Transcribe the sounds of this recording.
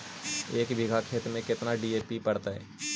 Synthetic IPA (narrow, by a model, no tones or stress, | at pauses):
eːkbʱɪɡʱakʰeːt̪mẽkɪt̪naɖieːpipɐɽt̪aɦɛ̰ː